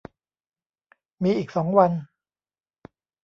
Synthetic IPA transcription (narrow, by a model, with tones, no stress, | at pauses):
miː˧ʔiː˨˩k̚sɔː˩˦ŋwa˧n